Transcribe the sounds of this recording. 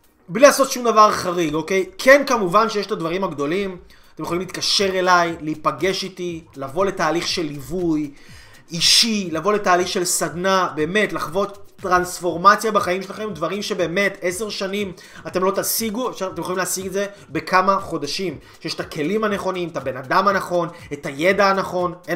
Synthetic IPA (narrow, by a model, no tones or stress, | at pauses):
blilaso̞tʃumdavaʁχaʁiɡo̞ke̞jkʰe̞nkamuvanʃejeʃet̪advaʁimaɡd̪o̞lim | at̪emjolimlit̚kaʃe̞ʁe̞lajleipaɡe̞ʃit̪ilavo̞le̞taːliχʃe̞livuj | iʃilavo̞le̞taːliχʃe̞lsad̪nabe̞ːme̞tlaχvo̞t̪ːʁansfo̞ʁmat͡sjabaχaimʃelaχe̞mdvaʁimʃe̞be̞ːme̞te̞se̞ʁʃanim | at̪e̞mlo̞t̪asiɡuefʃat̪emjolimleasiɡetze̞ | be̞kʰamaχo̞daʃimʃejeʃet̪ake̞limhane̞χo̞nimetabe̞nadamhanaχo̞netaje̞daːnaχo̞ne